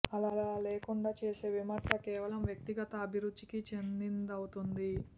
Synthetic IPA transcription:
ɐlaːlaːleːkuɳɖaːt͡ʃe̞ːse̞ːʋimɐɾsɐkɛːʋɐlɐmʋjɐk̚t̪iɡɐt̪ɐːbʱiɾud̪ːikit͡ʃe̞nd̪ind̪ɐwut̪und̪i

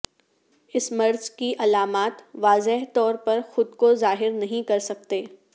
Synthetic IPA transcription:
ɪsmɐɾzkiʔɐlaːmaːt̪ʋaːzɪɦt̪ɔːɾpɐɾxʊd̪kozaːɦɪɾnɐɦĩkɐɾsɐk̚t̪eː

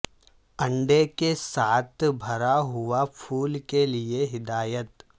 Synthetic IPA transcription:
ə̃ɳɖekesaːt̪ʰbʱɐɾaɦʊapʰuːlkelieɦɪd̪aːjət̪

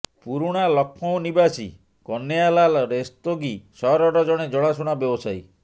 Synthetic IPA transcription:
puɾuɽ̃alɔkʰːɔ̃w̃nibasḭ | kɔnːejalalɔɾest̪oɡisɔɦɾɔɾɔd͡ʒɔɽ̃ed͡ʒɔɽ̃asuɽ̃abjɔbɔsaj

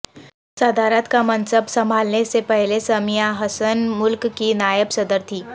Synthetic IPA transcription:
səd̪ʱaɾat̪kamənsəbsəm̤ʱalnesepəɦlesəmijaɦəsənmulkkinajəbsəd̪əɾt̪ʰiː

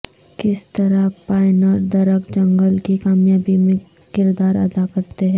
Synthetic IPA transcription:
kɪst̪ɐɾapaːɪnəɾd̪ɐɾəkd͡ʒɐ̃ŋɡəlkikaːmjaːbimẽ | kɪɾd̪aːɾɐ̰d̪akɐɾt̪eɦɛ̃ː

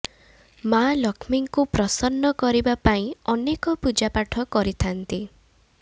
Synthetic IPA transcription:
malɔkʰmiŋkupɾɔsɔnːɔkɔɾibapaĩɔnekɔpud͡ʒapaʈʰɔkɔɾit̪ʰant̪i

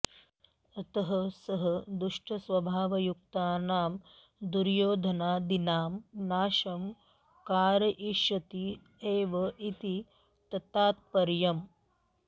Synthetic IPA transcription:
ɐt̪ɐɦɐsɐɦɐd̪uʂʈʰɐsʋɐbʱaːʋɐjuk̚t̪aːnaːm | d̪uɾjoːd̪ʱɐnaːd̪inaːmnaːʃɐm | kaːɾɐʔiʃɐt̪i | eːʋɐʔit̪i | t̪ɐt̪aːt̪̚pɐɾjɐm

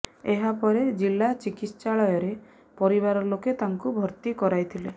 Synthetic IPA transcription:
eɦapɔɾed͡ʒilːat͡ʃikit̪st͡ʃaɭɔjɔɾe | pɔɾiβaɾɔloket̪aŋkubʱɔɾt̪ikɔɾajt̪ʰile

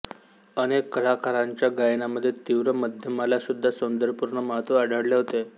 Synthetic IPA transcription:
ənekːəɭakaɾãɲt͡ɕjaɡajnaməd̪ʱːjet̪iʋɾəməd̪ʱjəmalasud̪ʱːasund̪əɾpuɾɳəməɦət̪ʋəəɽʱəɽleɦot̪e

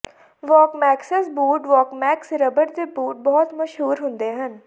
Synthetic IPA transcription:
ʋɔːkmɛːksəsbuːʈʋɔːkmɛːksɾəbəɾd̪eːbuːʈ̚bɔːt̪məʃɦuːɾɦʊ̃nd̪eɦən

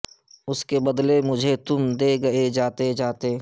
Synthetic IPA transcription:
ʊskebɐd̪lemʊd͡ʒʱet̪ʊmd̪eɡɐed͡ʒaːt̪ed͡ʒaːt̪eː

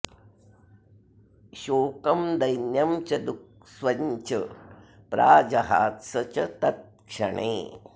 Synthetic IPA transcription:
ʃoːkɐmd̪ɐjnjɐmt͡ʃɐd̪uk̚ | sʋɐɲt͡ʃɐ | pɾaːd͡ʒɐɦaːt̪sɐt͡ʃɐt̪ɐt̪̚kʂɐ̰ɳḛː

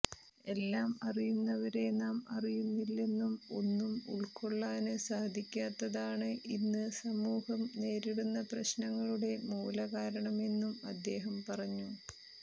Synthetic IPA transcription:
e̞lːaːmɐrijunːɐʋɐɾe̞naːmɐrijunːilːenːumo̞̰nːumṵɭko̞ɭːaːnɨsaːd̪ʱikʲːaːt̪ːɐðaːɳɨʔinːɨsɐmuːhɐmne̞ːɾiɽunːɐprɐɕnɐŋːɐɭuɽe̞muːlɐɣaːɾɐɳɐme̞nːumɐd̪ːe̞ːɦɐmpɐrɐɲːu

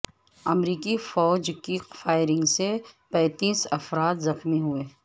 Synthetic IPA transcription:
ɐmɾiːkifɔːd͡ʒkifaːɪɾɪ̃ŋɡsepɛ̃ːt̪iːsɐfɾaːt̪zɐxmiɦʊeː

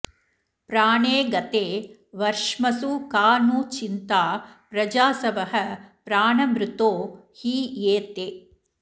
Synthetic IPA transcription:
pɾaːɳeːɡɐt̪eːʋɐɾʂmɐsukaːnuːt͡ʃint̪aːpɾɐd͡ʒaːsɐʋɐɦɐpɾaːɳɐmɾut̪oːhiːeːt̪e

